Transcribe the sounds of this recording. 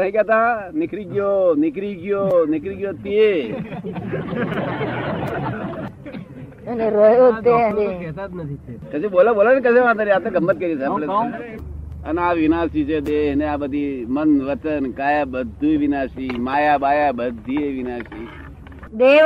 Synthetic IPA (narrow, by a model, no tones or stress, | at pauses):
ɦĩkjaːt̪anɪkɾiɡjonɪkɾiɡijonɪkɾiɡjot̪ie | əneɾəɦjot̪eəneɛt̪at̪ʰkəseboːlaboːlankəseʋãt̪aɾiaːt̪eɡəmbət̪̚kəɾisãmle | ənaːʋɪnaːsit͡ʃʰed̪eːɦneaːbəd̪ʱimənʋət͡ʃənkaːjaːbəd̪ʱːuʋɪnaːsimaːjabaːjaːbəd̪ʱːieʋɪnaːsi | d̪e